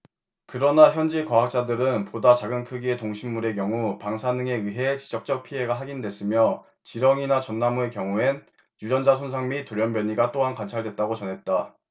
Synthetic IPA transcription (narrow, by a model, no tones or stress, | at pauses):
kɯɾʌnaçjʌnd͡ʑikwaɦak̚t͡ɕ͈adɯɾɯnpodat͡ɕaɡɯnkʰɯɡie̞toŋɕʰimːuɾe̞k̬jʌŋupaŋsʰanɯŋe̞iɦe̞t͡ɕi̥d͡ʑʌk̚t͡ɕ͈ʌk̚pʰie̞ɡaɦaɡindwe̞s͈ɯmjʌ | t͡ɕiɾʌŋinat͡ɕʌnːamuekjʌŋuen | jud͡ʑʌnd͡ʑasʰonsʰaŋmitoɾjʌnbjʌɲiɡat͈oɦankant͡ɕʰaɭdwe̞t̚t͈aɡot͡ɕʌnɦe̞t̚t͈a